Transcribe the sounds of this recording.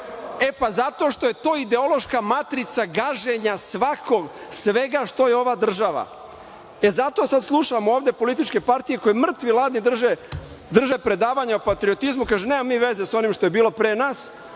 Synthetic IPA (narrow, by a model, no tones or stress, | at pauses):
e̞pazat̪o̞ʃt̪oje̞t̪o̞ːid̪e̞o̞lo̞ʃkamat̪ɾit̪saɡaʒeɲasʋakʰo̞ɡsʋe̞ɡaʃt̪o̞jeo̞ʋaːd̪r̩ʒaʋa̰ | ezat̪o̞sad̪slˠuʃamooːvd̪e̞po̞lit̪̬it͡ʃke̞paɾt̪ije̞ko̞jemr̩t̪ʋilˠaːd̪nid̪r̩ʒe | d̪r̩ʒepɾe̞d̪aːʋaɲaopat̪ɾio̞t̪izmukaːʒeneːmamːiːʋe̞ze̞so̞nimʃt̪o̞jebiːlˠo̞pɾenaːs